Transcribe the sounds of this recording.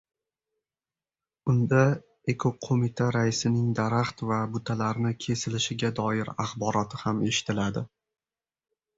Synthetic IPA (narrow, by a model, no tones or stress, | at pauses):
ʊnd̪a | ekʰoqʰomɪt̪ʰaɾaɪsɪnɪŋd̪aɾaχt̪vabʊt̪ʰalaɾnɪkʲʰe̞sɪlɪʃɪɡʲad̪ɒjɪɾaχbɒɾɒt̪ʰɪhame̞ʃɪ̥t̪ʰɪlad̪ɪ